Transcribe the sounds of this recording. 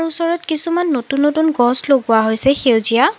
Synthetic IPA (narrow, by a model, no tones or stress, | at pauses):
ɹusɔɹɔtkisumanːotunːotunɡɔsloɡʊaɦojsɛxewzija